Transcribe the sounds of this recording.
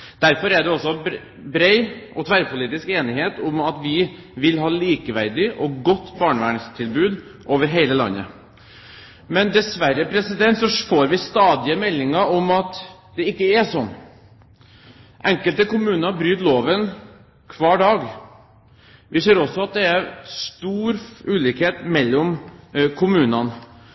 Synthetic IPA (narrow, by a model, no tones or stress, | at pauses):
d̪̥æɾfɔɾæɖɛɔsːɔ | bɾeɪʔɔt̪ʰʋæɾpʰʊliːt̪ɪskeːnɪɦeːt̪ʊmɑt̪ʋɪ | ʋɪlɦɑːliːkəʋæɾd̪ɪʔɔɡɔt̪ːbɑːɳəʋæːɳst̪ʰɪlbʉːd̪ | ʔoːʋəɾɦeɪləlɑ̰nːə̰ | mɛnd̪ɛsʋæɾːəpʰɾɛsɪd̪ɛnt̪sɔfoːɾʋɪst̪ɑːd̪ɪəmɛlːɪŋɑɾʊmɑt̪d̪̥ɛɪkːəɛsɔnː | ʔɛŋkəlt̪əkʊmʉːnəɾbɾyːt̪loːʋən | kʰʋɑːɖɑːɡ | ʋʔɪseːɾɔsːɔɑt̪̚d̪ɛæɾst̪uːɾʉːliːkheːt̪mɛlːɔmkʰʊmʉːnɑn